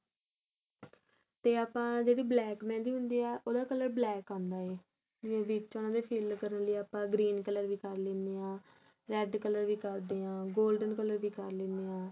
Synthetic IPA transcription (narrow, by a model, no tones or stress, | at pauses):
t̪eːaːpãːd͡ʒeːɽiːblɛːkmɛ̃ːnd̪iːɦʊnd̪iːɛːʔoːd̪aːkələɾblɛːkãːnd̪aːeː | d͡ʒɪãːʋɪt͡ʃoːnãːd̪eːpʰiːlkəɾənləiːaːpãːɡɾiːnkələɾʋiːkəɾlẽːnd̪eːãː | ɾɛːɖkələɾʋiːkəɾd̪eːãːɡoːlɖənkələɾʋiːkəɾlẽːnd̪eːãː